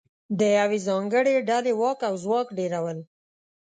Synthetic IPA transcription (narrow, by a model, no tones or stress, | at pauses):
d̪əjawizɑŋɡəɽeɖalewɑkawzwɑkɖeɾawəl